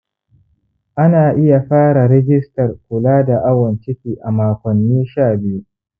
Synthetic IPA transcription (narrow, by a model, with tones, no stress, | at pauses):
ʔa˦naː˨ʔɪ˦ja˨ɸaː˦ɽa˨ɾɛ˦ɡʲɪ˦stɐ˨rkʷʊ˨laː˦da˨ʔa˦wɐ˨nt͡ʃɪ˦ɸʲiː˨ʔa˨maː˨kʷɔ˨nːiː˦ʃaː˦˨bɪ˦ju˦